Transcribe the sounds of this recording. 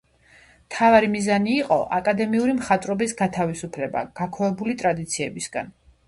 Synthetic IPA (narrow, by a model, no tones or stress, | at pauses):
mt̪ʰavaɾimizaniːqʼɔ̰ʔakʼad̪ɛmiuɾimχat̪ʼɾɔbisɡat̪ʰavisupʰlɛba̰ɡ̥akʰwavɛbulit̪ʼɾad̪it̪sʰiɛbisɡa̰n